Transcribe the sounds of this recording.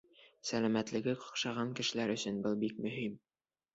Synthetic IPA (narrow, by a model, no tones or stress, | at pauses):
sælæmæt̪lɘ̆ɡɘqŏ̥qʃɑʁɑŋkɘ̆ʃɘ̆læɾɵ̆sɵnbɤlˠbik̚mɵ̆ɦim